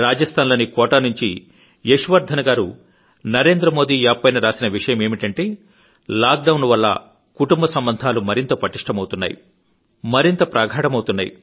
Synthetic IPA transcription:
ɾaːd͡ʒɐst̪ʰaːnlɐnikɔːʈanuɲt͡ʃi | jeʂuʋɐɾd̪ʱɐnɐɡaːɾu | nɐɾe̞ːnd̪ɾɐmo̞ːd̪iːjaːpːɐjnɐɾaːsinɐʋiʂɐjɐme̞ːmiʈɐɳʈe̞ː | laːk̚ɖɐwnʋɐlːɐ̰ | kuʈumbɐsɐmbɐnd̪ʱaːlumɐɾint̪ɐpɐʈiʂʈɐmɐwt̪unːa̰ːjṵ | mɐɾint̪ɐpɾaːɡʱaːɽɐmɐwut̪unːaːjḭ

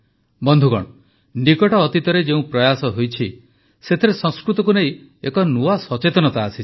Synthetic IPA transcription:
bɔnd̪ʱuɡɔ̰ɽɔ | nikɔʈɔːt̪it̪ɔɾed͡ʒeũpɾɔjasɔɦojt͡ʃʰi | set̪ʰeɾesɔ̃ŋ̃skɾut̪ɔk̬unej | ekɔnuasɔt͡ʃet̪ɔnɔt̪aːsi

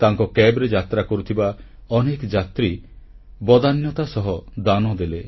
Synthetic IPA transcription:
t̪aŋkɔkebɾed͡ʒat̪ɾakɔɾut̪ʰiba | ɔnekd͡ʒat̪ɾi | bɔd̪anjɔt̪asɔɦɔd̪anɔd̪ele

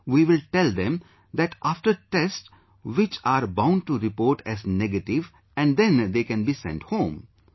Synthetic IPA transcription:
ʋiːʋɪlʈɛld̪ɛ̃m | d̪æʈʔafʈəɾʈɛsʈ | ʋɪt͡ʃaːɾbãʊ̃ɳɖ̚ʈuɾɪpoːɾʈɛzneɡəʈɪʋ | ɛ̃ɳɖd̪ɛ̃nd̪eːkɛ̃nbiːsɛ̰̃ɳʈhõːm

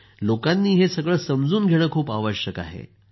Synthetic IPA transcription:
lokanːiːɦesəɡɭəːsəmd͡zuːnɡʱeɽ̃əːkʰuːpaʋəɕəka̰ɦḛ

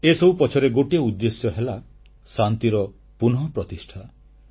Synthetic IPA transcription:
esɔbupɔt͡ʃʰɔɾeɡoʈieud̪ːesjɔɦela | sant̪iɾɔ | punɦɔpɾɔt̪isʈʰa

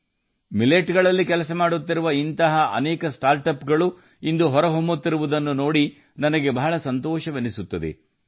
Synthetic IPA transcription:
mileʈɡɐɭɐlːikɛlɐsɐmaːɽut̪ːiɾuʋɐint̪ɐɦɐɐ̰nɛːkɐsʈaːɾʈɐpɡɐɭu | ind̪uɦɔɾɐɦombut̪ːiɾuʋud̪ɐnːuno̞ːɽi | nɐnɐɡe̞bɐɦɐɭɐsɐnt̪ɔːʃɐʋenisut̪ːɐd̪ḛ

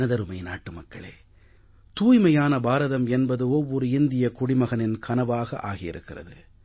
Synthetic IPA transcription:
ɐðɐɾɯmɐɪnaːʈːɯmɐkːɐ̰ɭḛː | t̪uːjmɐjaːnɐbaːɾɐðɐmɛnbɐðɯɔʋːɔɾɯɪnd̪ɪjɐkʊɽɪmɐɣɐnɪnkʰɐnɐʋaːɣɐʔaːɣɪjɪ̰ɾɯ̰kːɪrɐ̰ðɯ̰

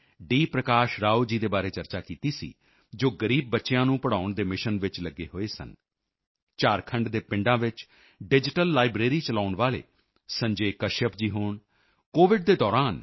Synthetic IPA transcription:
ɖiːpɾəkaːʃɾaːoːd͡ʒiːd̪eːbaːɾeːt͡ʃəɾt͡ʃaːkiːt̪iːsḭː | d͡ʒoːɡəɾiːb̚ːətːʃejãːnũːpəɽaːʊɳd̪eːmɪʃənʋɪt͡ʃləɡḛːɦoːeːsə̰n | t͡ʃaːɾkʰəɳɖd̪eːpɪ̃ɳɖãːʋɪt͡ʃ | ɖɪd͡ʒɪʈəlːaːɪbɾeːɾiːt͡ʃəlaːʊnʋaːlḛː | sə̃ɲd͡ʒeːkəʃəpd͡ʒiːɦoːɳ | koːʋɪɖ̚d̪eːd̪ɔːɾaːn

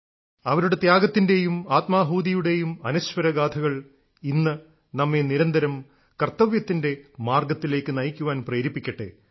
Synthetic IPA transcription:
ɐʋɐɾuɽe̞t̪jaːɡɐt̪ːinde̞jumaːt̪maːɦuːd̪ijuɽe̞jumɐnɐɕʋɐɾɐɡaːt̪ʰɐɣɐɭ | inːɨ | nɐmːe̞niɾɐnd̪ɐɾɐm | kɐrt̪ːɐʋjɐt̪ːinde̞maːrɡɐt̪ːile̞ːkːɨnɐjkʲːuʋaːnpreːɾipːikʲːɐʈːḛ

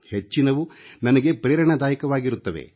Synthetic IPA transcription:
het͡ʃːinɐʋunɐnɐɡe̞pɾeːɾɐɳɐd̪aːjɐkɐʋaːɡiɾut̪ːɐʋḛ

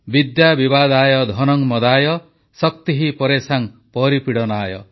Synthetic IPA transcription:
bid̪jabibad̪aːjɔd̪ʱɔnɔŋmɔd̪aːjɔ | sɔk̚t̪iɦipɔɾesaŋpɔɾipiɽɔnaːjɔ̰

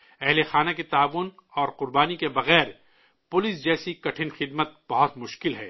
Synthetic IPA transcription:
ɛɦlexaːnakit̪aːʋʊnɔːɾqʊɾbaːnikebɐɣɛːɾ | pʊlɪsd͡ʒɛːsikɐʈʰɪnxɪd̪mət̪̚b̥ɐɦʊt̪mʊʃkɪlɦɛː

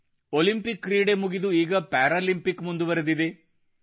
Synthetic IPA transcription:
olimpikːɾiːɽe̞muɡid̪uiːɡɐpaːɾaːlimpikːmund̪uʋɐɾɐd̪id̪e̞

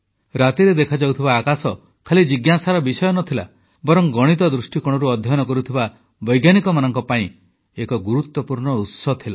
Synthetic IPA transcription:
ɾat̪iɾed̪ekʰad͡ʒawt̪ʰibaːkasɔ | kʰalid͡ʒiɡjasaɾɔbisɔjɔnɔt̪ʰila̰ | bɔɾɔŋɡɔɽ̃it̪ɔd̪ɾusʈikɔɽ̃ɔɾuɔd̪ʱjɔɔnɔkɔɾut̪ʰiba | bɔjɡjanikɔmanɔŋkɔpaĩ | ekɔɡuɾut̪wɔpuɾɳɔut̪sɔt̪ʰila

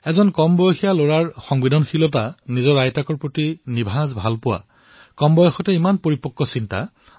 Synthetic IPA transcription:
ɛzɔnkɔmbɔjɔxijaloɹaɹxɔŋbidʱɔnxilɔtanizɔɹajtakɔɹpɹotinibʱazbʱalpʊwa̰ | kɔmbɔjɔxɔtɛimanpoɹipɔkːɔsinta̰

